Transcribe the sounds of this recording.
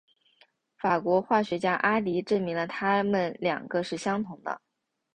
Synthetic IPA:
fa˨˩kwɔ˧˥xwa˥˩ɕɥɛ˧˥t͡ɕja˥ʔa˥li˧˥ʈ͡ʂə˥˩nmi˧˥ŋlə˧t̪ʰa˥mə˨nljɑ̰˨˩ŋɡə˦ʂɻ̩˥˩ɕjɑ˥ŋt̪ʰʊ˧˥ŋd̪ə̰˧

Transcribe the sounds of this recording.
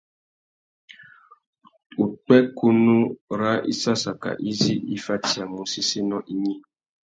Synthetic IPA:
u˨k͡pɛ˦ku˦nu˦ɾa˦ʔḭ˦sa˦sa˨ka̰˨ʔi˦zi˦ḭ˦fa˦ti˨a˨mũ˨si˦si˦nɔ̃˦ʔi˦ɲi˦

